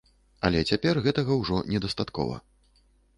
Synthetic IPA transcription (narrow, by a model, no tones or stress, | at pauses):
ɐ̰lʲɛt͡sʲapʲɛrɣɛt̪ɐɣɐwʐɔnʲɛd̪ɐst̪at̪kɔ̰vɐ̰